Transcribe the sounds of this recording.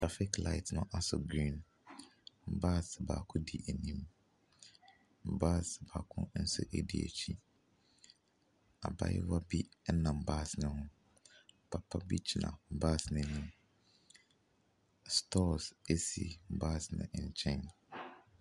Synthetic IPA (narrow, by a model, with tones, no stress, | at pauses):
tʰɾa˦fɪ˦kla˦ɪ˨tʰnʊ̰̃˦ʔa˦sʊ˨ɡɾĩ˦˨n | m̩˦ba˦˨sba̰ː˨kʰʊ̃˦di˨ʔe˨nĩ˦m | m̩˨ba˦sba̰ː˨kʰʊ̰̃˦n̩˦sʊ̰˦ʔe˦di˨ḛ˨t͡ɕʰi˦ | a̰˨ba̰˦jɛ̰˦wa˦bi˦nã˨m̩˨ba˦˨snʊ̃˦hʊ̃˦ | pʰa˨pʰa˦bi˦t͡ɕʰi˨nã̰˨m̩˦baː˦˨snɪ̃˨˦nĩ˦m | stʰɔ˦se˦sḭ˨m̩˦ba˦˨snʊ̰̃˨ʔɲ̩˨t͡ɕʰɛ̃˦n